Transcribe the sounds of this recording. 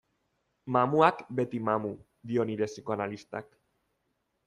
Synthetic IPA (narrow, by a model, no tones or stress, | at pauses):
mamuakbe̞t̪imamu | d̪io̞niɾe̞siko̞analist̪a̰k